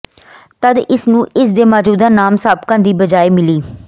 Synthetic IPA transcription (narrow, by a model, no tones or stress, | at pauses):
t̪əd̪ɪsnũːɪsd̪eːmaːd͡ʒuːd̪aːnaːmsaːb̚kãːd̪iːbəd͡ʒaːeːmɪliː